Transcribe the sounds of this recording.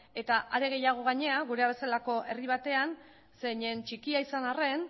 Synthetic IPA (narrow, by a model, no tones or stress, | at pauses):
e̞t̪aʔaɾe̞ɣ̞e̞jaɣ̞o̞ɣ̞aɲe̞aɣ̞uɾe̞aβe̞salako̞ʔe̞riβ̞at̪e̞an | se̞ɲe̞nt͡ʃikiaisanare̞n